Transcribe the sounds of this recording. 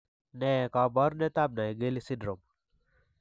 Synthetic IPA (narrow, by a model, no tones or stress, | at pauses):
nekabaɾnet̪ab̚najɡelisidɾom